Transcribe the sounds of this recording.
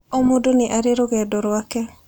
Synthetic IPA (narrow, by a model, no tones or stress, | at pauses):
omodoneʔaɾeɾoɣɛːdoɾwakɛ